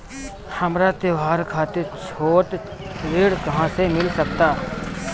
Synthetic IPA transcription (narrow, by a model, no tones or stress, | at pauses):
həmɾat̪eʋaːɾkʰaːt̪et͡ʃʰoːʈ̪ɾɪɽkɐɦãsemɪlsəkt̪aː